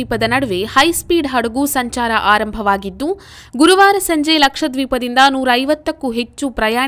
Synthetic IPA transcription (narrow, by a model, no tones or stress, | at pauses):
iːpɐd̪ɐnɐɽɐʋehɐjspiːɖɦɐɽɐɡusɐɲt͡ʃaːɾɐʔaːɾɐmbʱɐʋaːɡid̪ːu | ɡuɾuʋaːɾɐsɐɲd͡ʒelɐkʂɐd̪ʋiːpɐd̪ind̪ɐnuːɾɐːɐjʋɐt̪ːɐkːuɦet͡ʃːupɾɐjaː